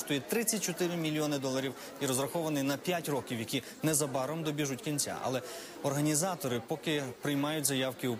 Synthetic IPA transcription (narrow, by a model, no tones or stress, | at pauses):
t̪ʊjɛt̪ɾɪt͡sʲːɐt̚ʲt͡ʃɔt̪ɪɾɪmʲilʲːiɔnɪd̪ɔlˠɐɾʲiw | iɾɔzɾɐxɔʋɐnɪnɐpʲjatʲrɔkʲiwjɐkʲi | nɛzɐbɑɾɔmd̪ɔbʲiʒutʲkʲinʲt͡sʲa̰ɐ̰lˠɛ | ɔrɦɐnʲizɑt̪ɔɾɪpɔkɪpɾɪjmɑjʊt̚ʲzɐjɑwkɪu